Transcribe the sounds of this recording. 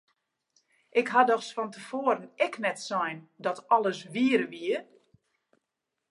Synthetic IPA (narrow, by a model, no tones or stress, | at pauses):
ʔɪkɦadɔxsfɔntəfoəɾənɛknɛtsɔjndɔtɔlˠəsʋiəɾəʋiə